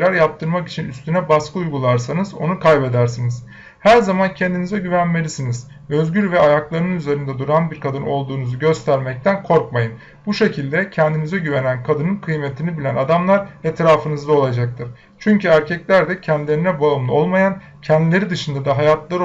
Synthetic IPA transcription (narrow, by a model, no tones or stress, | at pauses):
ɾæɾjap̚t̪ʰɯɾmaki̥t͡ʃʰinyst̪ʰynɛbaskʰɯujɡulˠaɾsanɯzo̞nukʰajbe̞d̪æɾsiniz̥ | hæɾzamancʰɛnd̪inizɛɟyvænme̞lʲisiniz | ø̞zɡɟyɾvɛajaklˠaɾɯnyze̞ɾind̪ɛd̪uɾanbiɾkʰad̪ɯno̞lˠd̪uːnuzuɟø̞st̪ʰæɾmɛc̚t̪ʰænkʰo̞ɾkmajɯn | buʃe̞cʰilʲd̪ɛcʰɛnd̪inizɛɟyve̞nænkʰad̪ɯnɯnkʰɯjmet̪ʰinibilʲænad̪amlˠaɾet̪ɾaːfɯnɯzd̪ao̞lˠad͡ʒak̚t̪ʰɯɾ̥ | t͡ʃʰyɲcyæɾcʰɛclʲæɾd̪ɛcʰɛnd̪ilʲe̞ɾinɛbaɯmlˠo̞lˠmajan | cʰɛnd̪ilʲe̞ɾid̪ɯʃɯnd̪ad̪aɦajat̪lˠaɾ